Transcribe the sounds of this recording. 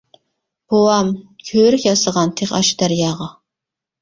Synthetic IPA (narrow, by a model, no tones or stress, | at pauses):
b̥owɑmkʲʰøːɾykʲjɑsəʁɑnt̪ʰeχɑʃd̪̥æɾjɑːʁɑ